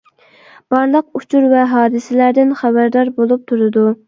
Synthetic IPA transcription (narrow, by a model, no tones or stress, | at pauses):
b̥ɑɾlˠəq̚ut͡ʃʰuɾvɛɦɑːd̪ɨsɪlæɾd̪ɪnχæbæɾd̪ɑɾbolˠup̚t̪ʰuɾɨd̪u